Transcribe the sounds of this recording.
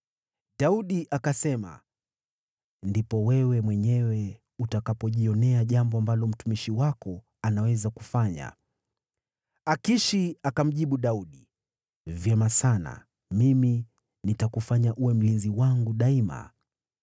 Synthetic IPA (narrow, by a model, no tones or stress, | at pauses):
ɗauɗiʔakasɛma̰ | ndipɔwɛwɛmwɛɲɛwɛ | utakapɔʄiɔnɛaʄambɔambalɔm̩tumiʃiwakɔ | anawɛzakufaɲa̰ | akiʃiakam̩ʄiɓuɗauɗi | vjɛmasana̰ | mimi | nitakufaɲaʔuwɛm̩linziwaŋɡuɗaima̰